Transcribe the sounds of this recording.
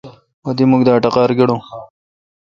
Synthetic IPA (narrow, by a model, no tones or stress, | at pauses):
wɐd̪imuɡd̪aːʈɐqɑːɾɡeɽõː